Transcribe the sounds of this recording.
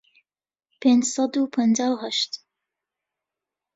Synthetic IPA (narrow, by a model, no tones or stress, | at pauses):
peːnd͡ʒsˤɑd̪upʰənd͡ʒaːwɦaʃt̪